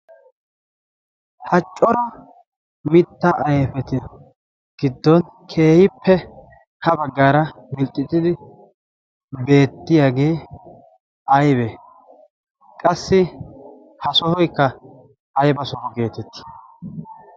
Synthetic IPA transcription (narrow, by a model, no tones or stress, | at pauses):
hɐt͡ʃʼːɔɾɐ | mɪt̪ːɐʔɐjɛfɛt̪ɪ | ɡ̥ɪd̪ːɔn | kʰe̞ːhɪpʰːɛ | hɐbɐɡːaːɾɐmɪlt̪ʼːɪt̪ːɪd̪ɪ | be̞ːt̪ːɪjaːɡe̞ː | ɐjbe | kʼɐsːɪ | hɐsɔhɔjkːɐ | ɐjbɐsɔhɔɡe̞ːt̪ɛt̪ːɪ̥